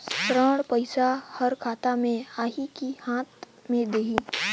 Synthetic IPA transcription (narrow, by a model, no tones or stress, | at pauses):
tɾəːɽpəɪsahɐɾkʰaːt̪amẽaːɦikihãːt̪ | mẽd̪eːɦi